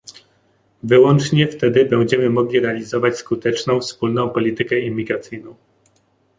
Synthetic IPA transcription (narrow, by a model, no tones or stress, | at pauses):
vɘwɔnt͡ʂɲɛft̪ɛd̪ɘbɛw̃d͡ʑɛmɘmɔɡlʲiɾɛalʲizɔvat͡ɕskut̪ɛt͡ʂnɔ̃w̃fspulnɔ̃w̃pɔlʲit̪ɘkɛimʲːiɡɾat̪sɘjnɔ̃w̃